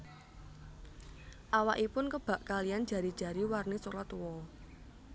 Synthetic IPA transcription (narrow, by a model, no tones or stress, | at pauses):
ʔawaʔipʊnkəb̥a̤ʔkalijan̥ʒ̥ä̤ɾid̥ʒ̥ä̤ɾiwarnesolat̪wɔ